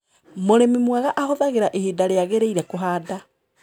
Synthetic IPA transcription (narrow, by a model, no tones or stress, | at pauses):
moɾemimwaɣaʔahoðaɣeɾaʔehidaɾeaɣeɾeiɾɛkoɦaːda